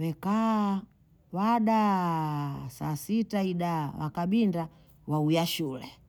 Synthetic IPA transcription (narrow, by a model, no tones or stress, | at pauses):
wɛka | waɗa | sa̰sitaiɗawa̰kaɓinda | waujaʃulɛ